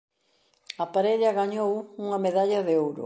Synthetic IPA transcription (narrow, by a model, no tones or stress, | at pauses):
apaɾeʎaɣaɲowuŋɐmeðaʎɐðeowɾʊ̰